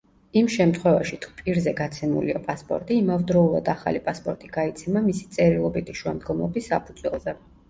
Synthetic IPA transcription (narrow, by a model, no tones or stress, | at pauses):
imʃɛmt̪ʰχwɛvaʃit̪ʰu̥pʼiɾzɛɡat̪sʰɛmṵliapʼaspʼɔ̰ɾt̪ʼiːmavd̪ɾɔulˠa̰d̪aχa̰lipʼaspʼɔɾt̪ʼiɡait̪sʰɛmamisi̥t̪sʼɛɾilˠɔbit̪ʰiʃua̰md̪ɡɔmlˠɔbisːapʰud̪zwɛ̰lˠzɛ